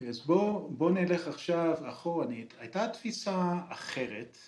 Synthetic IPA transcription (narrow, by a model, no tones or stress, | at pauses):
keazboboneleχaχʃavaχoaniajtat̪fisaːχe̞ʁet